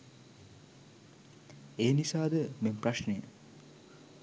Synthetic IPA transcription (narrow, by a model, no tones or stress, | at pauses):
eːnisaːd̪əmempraʃnejə